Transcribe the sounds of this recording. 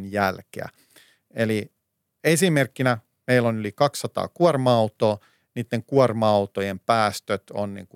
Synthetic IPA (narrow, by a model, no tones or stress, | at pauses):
njælkḛæ̰ | eli | esimerkːinæ | meilonylikɑksːɑt̪ɑ̰ːkuɑrmɑɑut̪oː | niːt̪ːeŋkuɑrmɑɑut̪ojempæːst̪øt̪o̰nnḭːŋku